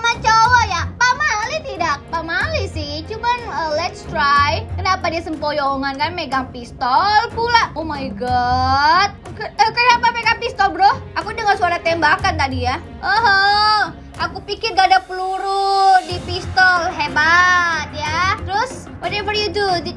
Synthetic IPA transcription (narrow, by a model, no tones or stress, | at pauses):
mat͡ʃowajapamalit̪idak̚pamalisɪht͡ʃumanəlɛt̪st̪ɾajkənapadiasəmpojɔŋankanmeɡaŋpist̪ɔlpulaomajɡɔ | t̪̚kəəkənapameɡaŋpist̪ɔlbɾɔhʔakudəŋənsuaɾat̪ɛmbakant̪adija | əɦə | ʔakupikɪrɡadapəluɾudipist̪ɔlɦebat̪̚jat̪əɾʊs | wɔtɛvərjudud